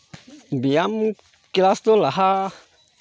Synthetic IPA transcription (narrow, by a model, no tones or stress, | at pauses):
biam | klast̪olaɦa